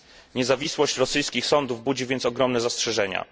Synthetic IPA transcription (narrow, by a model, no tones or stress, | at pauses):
ɲɛzavʲiswɔɕt͡ɕɾɔsɘjskʲixsɔnd̪uvbud͡ʑivʲjɛnt̪sɔɡɾɔmnɛzastʂɛʐɛɲa̰